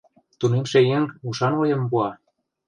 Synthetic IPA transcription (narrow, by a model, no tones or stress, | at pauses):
t̪unemʃejeŋuʃɑnojɤ̆mpuɑ